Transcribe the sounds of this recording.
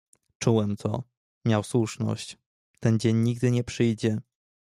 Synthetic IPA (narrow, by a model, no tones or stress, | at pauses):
t͡ʂuwɛmt̪ʰɔ̰ | mʲjawswuʂnɔ̰ɕt͡ɕ | t̪ɛnd͡ʑeɲːiɡ̚d̪ɘɲɛpʂɘjd͡ʑɛ